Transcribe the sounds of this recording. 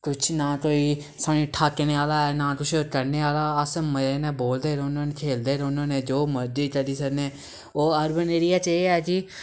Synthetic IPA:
k̪ʊt͡ʃʰnãːkoːiː | saːnĩːʈʰaːkːeneːaːlaːɛːnãːkʊt͡ʃʰokəɾneːaːlaːəsməɾeːnẽːboːld̪eːɾʊnãːneːkʰeːld̪eːɾʊnãːnẽːd͡ʒoːməɾd͡ʒiːt͡ʃəɽiːsəɾneː | oːəɾbəneːɾɪjaːt͡ʃeːɛːd͡ʒiː

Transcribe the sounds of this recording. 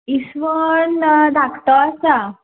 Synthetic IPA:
isʋəɳd̪akt̪ɔasa

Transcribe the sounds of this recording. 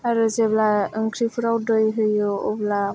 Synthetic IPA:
aɾɯzeblaɯŋkʰɾipʰɯɾawdɯjɦɯjɯɔbla

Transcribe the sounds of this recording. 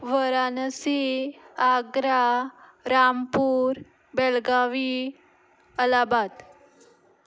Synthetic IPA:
ʋəɾanəsiaɡɾaɾampuɾ | bɛlɡaʋi | əlabat̪

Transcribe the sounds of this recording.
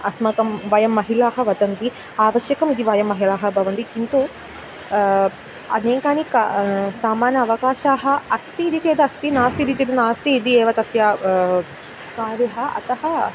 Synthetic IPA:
ɐsmɐkɐmʋɐjɐmːɐɦilaːɦɐ̆ʋɐt̪ɐnt̪i | aːʋɐʃjɐkɐmid̪iʋɐjɐmːɐɦilaːɦɐ̆bʱɐʋɐnt̪ikint̪u | ɐ̰neːkaːnika̰saːmaːnɐːʋɐkaːʃaːɦɐ̆ɐst̪iːd̪it͡ʃeːd̪ɐɐst̪inaːst̪id̪it͡ʃeːd̪ɐnaːst̪iːd̪ieːʋɐt̪ɐsjaː | kaːɾiɦɐɐ̰t̪ɐɦɐ

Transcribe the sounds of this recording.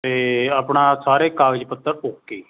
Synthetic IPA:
t̪eːaːpɳaːsaːɾeːkaːɡəd͡ʒpət̪ːəɾoːkːeː

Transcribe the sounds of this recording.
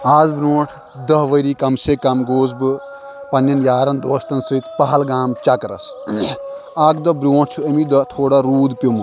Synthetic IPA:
aːzbɾoːʈʰ | d̪ɐɦʋɐɾiːkɐmsekɐmɡoːzbɨ | pɐnjɐnjaːɾɐnd̪oːst̪ɐnsɨt̪ʰpɐɦɐlɡaːmt͡ʃɐkɾɐ̰s | akd̪ɔbɾʲoːʈt͡ʃʰuɐmid̪ɔt̪ʰoːɽaɾuːd̪pʲum

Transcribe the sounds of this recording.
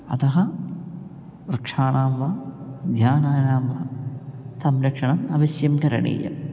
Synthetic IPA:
ɐ̰t̪ɐɦɐ | ɾɐkʂaːɳaːmʋɐɡ̪ʱjaːnaːnaːmʋɐt̪ɐmɾɐkʂɐɳɐmɐʋɐsjɐmkɐɾɐ̰ɳḭːjɐ̰

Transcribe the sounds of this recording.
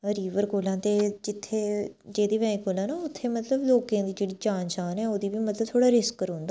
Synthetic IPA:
əɾiːʋəɾkoːlãːt̪eːd͡ʒɪt̪ʰːeːd͡ʒeːd̪iːʋɛːĩːkoːlãːnaːʊt̪ʰːeːmət̪ləbloːkãːd̪iːd͡ʒeːɽiːd͡ʒaːnʃaːnɛːoːd̪iːbiːmət̪ləb̚t̪ʰoːɽaːɾɪskəɾɦõnd̪aː

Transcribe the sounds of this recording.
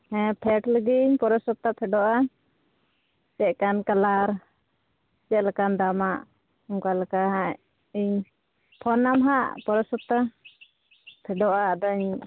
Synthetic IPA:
hɛ̃pʰɛʈləɡiɲpɔɾɔsɔt̪ap̪ʰɛɖɔʔa | sɛʔkankalaɾ | sɛʔlakand̪amaʔ | ɔŋkalakaɦa | iɲ | pʰɔnamɦa̰ʔpɔɾɔsɔt̪a | p̪ʰɛɖɔʔad̪ɔɲ

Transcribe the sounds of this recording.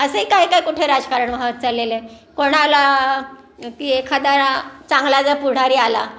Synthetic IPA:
əseikaɦikaikuʈʰeɾad͡zkaɾəɳʋaʋət̪̚t͡salele | koɽ̃ala | k̪iːekʰad̪aɾat͡sãŋɡlad͡zəpuɽ̤aɾiːala

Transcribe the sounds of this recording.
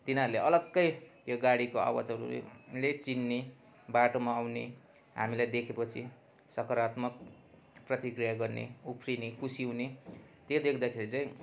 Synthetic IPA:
t̪inaɾuleʔʌlʌɡːʌjt̪joɡaɽikoa̰wʌt͡sʌɾṵlet͡sinːe | baʈomaːwne | ɦa̰milajd̪ekʰepʌt͡sʰi | sʌkʌɾat̪mʌk̚ | prʌt̪ikrijaɡʌrnḛupʰrinekʰusiɦunet̪jod̪ekʰd̪akʰeɾit͡saĩ

